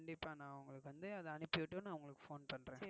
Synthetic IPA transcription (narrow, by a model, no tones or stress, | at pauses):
ɳɖɪpːaːnãːʊŋɡɐɭɯkːɯʋɐnd̪ɯɐðɐɐnɯpːɪʋɪʈːonaːɐʋɐŋɡɐɭɯkːɯ̥foːnpɐɳɾẽː